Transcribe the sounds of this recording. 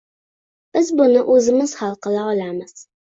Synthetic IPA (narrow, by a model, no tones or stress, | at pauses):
b̥ɨzbʊnɨʔɵzɨmɨz̥χɑlˠqəlaʁlamɨz̥